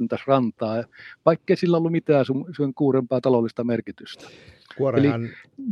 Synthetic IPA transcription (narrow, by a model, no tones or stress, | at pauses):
nt̪ɑsrɑnt̪ɑːʋɑˑikːeˑisilːæolːumit̪æːsuseŋkuːrempɑːt̪ɑlolːˑist̪ɑmerkit̪yst̪æ̥kuoelin